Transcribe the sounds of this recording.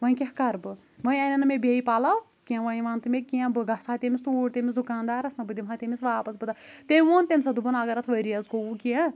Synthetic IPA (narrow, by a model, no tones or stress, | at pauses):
ʋɐ̃ĩkʲehkɐɾbɨ | ʋɐ̃ĩɐnɐnɐmʲebʲeipaːlaw | kʲiãʋɐĩʋaːnt̪ɨmʲekiãbɨɡɐsaːt̪ʲemʲist̪uːɽt̪emiszd̪ukaːnd̪aːɾɐsnɐbɨd̪imɦat̪ʲemʲisʋaːpɐsbɨd̪at̪emʲiʋoːnt̪emʲsɐd̪ubɐnɐɡɐɾɐt̪ʰʋɐɾijɐzɡoukiã